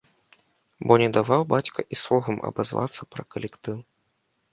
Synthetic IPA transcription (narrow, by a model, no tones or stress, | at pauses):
bɔnʲɛd̪avawbat͡sʲkɐʔislˠɔɣɐmɐ̰bazva̰t̪sːɐpɾɐkɐlʲɛkt̪ɨw